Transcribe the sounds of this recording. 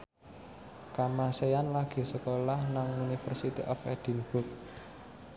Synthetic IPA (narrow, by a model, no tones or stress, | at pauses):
kamaseanlaɡ̥i̤səkolahnaŋunifərsit̪ḭʔɔfɛd̪̥i̤nb̥ʊk̚